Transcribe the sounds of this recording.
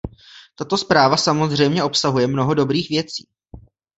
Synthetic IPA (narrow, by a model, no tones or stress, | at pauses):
t̪at̪o̞spɾaːvasamo̞zr̝ɛjmɲɛʔo̞psaɦujɛmno̞ɦo̞do̞bɾiːxvjɛt͡siː